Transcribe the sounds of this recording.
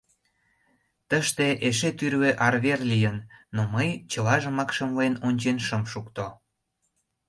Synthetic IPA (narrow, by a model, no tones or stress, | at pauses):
t̪əʃt̪eʔeʃ̬et̪yɾβeʔɑrβerlijənːoməjt͡ɕəlɑʒə̆mɑkʃə̆mlenonʲt͡ɕenʃəmʃukt̪o